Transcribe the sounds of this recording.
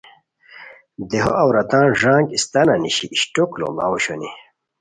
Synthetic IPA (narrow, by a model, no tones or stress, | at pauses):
d̪eɦoʔɐwɾɐt̪ãːnʐãːŋɡist̪ɐnɐniɕiʔiɕʈoklo̰ma̰wuɕoni